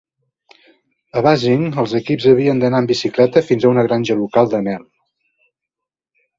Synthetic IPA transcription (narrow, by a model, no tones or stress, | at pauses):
əβaziŋəlˠzəkipzəβiənd̪ənaəmbisiklɛt̪əfinzəunəɣɾanʲʒəlukalˠd̪ənɛl